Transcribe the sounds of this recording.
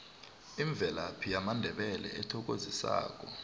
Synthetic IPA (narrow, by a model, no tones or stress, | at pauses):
iɱb̪vʱɛlapʰijamandʱɛɓɛlɛ̰ɛtʰɔk̬ʼozisa̰ːk̬ʼɔ